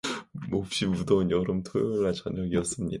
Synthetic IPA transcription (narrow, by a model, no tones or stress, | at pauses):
op̚ɕ͈imudʌunjʌɾomtʰojoɭːat͡ɕʌɲʌɡiʌs͈ɯmɲḭd